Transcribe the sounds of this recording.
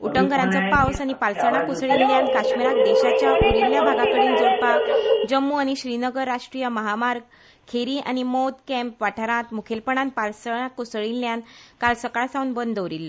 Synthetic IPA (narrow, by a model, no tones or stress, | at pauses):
uʈəŋɡəɾãnt͡sapawsañipalsəɳ̃akusɭinːjãnkaɕmiɾak̚d̪eɕat͡ɕjaʔuɽiljabʱaɡãkəɽiːnd͡zoɾpakd͡ʑəmːuañiɕɾinəɡəɾːaʂʈɾijəməɦamaɾɡ | kʰeɾiʔa̰ñimod̪kɛ̃mpʋaʈʰaɾãt̪mukʰelpəɳanpalsəɳ̃akusɭinːjãnkalsəkaɭsãunbənd̪ʱəʋɾilːə